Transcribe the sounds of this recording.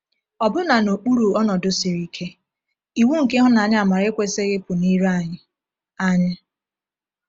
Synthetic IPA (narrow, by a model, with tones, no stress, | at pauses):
ɔ˨bʊ˦na˨no˨k͡pu˦ɾu˨ɔ˦nɔ˨dʊ˦sɪ˨ɾi˨˦kʰe˦ | i˨wu˦ŋ̩˨ke˦ɦʊ˦na˨ɲɪ˦a˨ma˨ɾe˦kʷe˦se˦ɣɪ˦pʊ˨ni˦ɾa˦˨ɲɪ˨ | a˦ɲɪ˦